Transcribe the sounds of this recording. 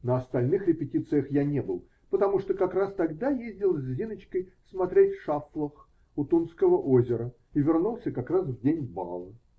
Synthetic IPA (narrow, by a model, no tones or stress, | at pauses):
nəɐst̪ɐlʲnɨxɾʲɪpʲɪtʲit̪sɨjəxjanʲebɨlˠ | pət̪ɐmuʂt̪okɐkrast̪ɐɡd̪ajezʲdʲɪlˠzʲzʲinət͡ɕkəjsmɐt̪ɾʲetʲfʂaflˠəx | ʊt̪unskəvəʔozʲɪɾə | ivʲɪrnulˠsʲəkɐkras̬vdʲenʲba̰lˠə